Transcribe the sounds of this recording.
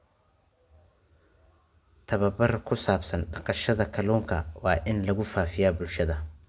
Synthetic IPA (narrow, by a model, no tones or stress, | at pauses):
t̪ʰɐβɐbɐrkʰʊsaːbsɐnɖɑqɑʃɐðɐkʰɐluːŋkʰɐwɑːʔɪnlɐɣʊfaːfɪjaːbʊlʃɐðɐ